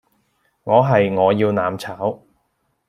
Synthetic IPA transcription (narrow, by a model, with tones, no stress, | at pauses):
ŋɔː˨˧ɦɐ˨jŋɔː˨˧jiː˧wnaː˨˥mt͡sʰaː˨˥w